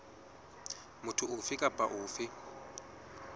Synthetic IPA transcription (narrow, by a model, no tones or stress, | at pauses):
mʊtʰʊʊfɪkʼapʼaʔʊːfɪ